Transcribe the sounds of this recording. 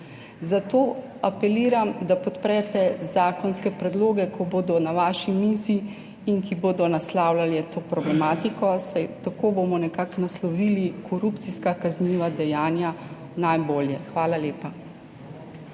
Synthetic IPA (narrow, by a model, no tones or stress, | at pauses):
zat̪oː | apɛliːɾamd̪apɔt̪pɾɛt̪ɛzaːkɔnskɛpɾɛd̪loːɡɛkɔboːd̪ɔnaʋaːʃimisi | inkiboːd̪ɔnaslaːwlaljɛt̪oːpɾɔblɛmaːt̪ikɔsajt̪akoːbomɔnɛkaknaslɔʋiːlikʰɔɾupt̪siskakazniːʋad̪ɛjaːnja | najboːljɛxʋaːlaleːpa